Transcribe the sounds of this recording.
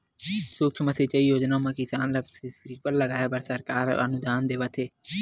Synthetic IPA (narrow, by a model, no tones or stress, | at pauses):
suːk̚sʊməset͡ʃɐiːjoːd͡ʒnaːmãːkisaːnlɐksisɾiːkəllɐɡaːjeːbɐɾsɐɾkaːɾ̰ɐ̰nʊd̪aːnd̪eːʋɐt̪ʰeː